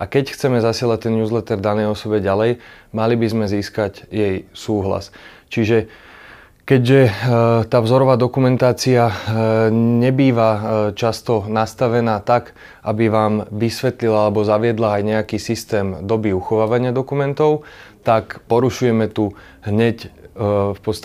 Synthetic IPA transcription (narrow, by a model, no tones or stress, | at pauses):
ʔakɛcxt͡sɛmɛzasɪɛlac̚t̪ɛnjuːzlɛt̪ɛɾd̪anɛjɔsɔbɛɟalɛjmalibizmɛziːskaɟjɛjsuːɦla̰st͡ʃiʒɛ | kɛɟʒɛt̪aːvzɔɾɔʋaːd̪ɔkumɛnt̪aːt͡sia | ɲɛbiːʋat͡ʃast̪ɔnast̪aʋɛnaːt̪ak | ʔabiʋaːmʋisʋɛt̪lilaalɛbɔzaʋɪɛd̪laːjɲɛakiːsist̪ɛːmd̪ɔbiuxɔʋaːʋaɲɪad̪ɔkumɛnt̪ɔʊt̪akpɔɾuʃujɛmɛt̪u | ɦɲɛc | fpɔst̪